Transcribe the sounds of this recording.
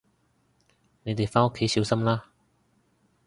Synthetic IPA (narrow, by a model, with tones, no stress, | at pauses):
ne˨˧jt̪e˨jfaː˥no˥kʰːe˨˥jsiː˨˧wsɐ˥mlaː˥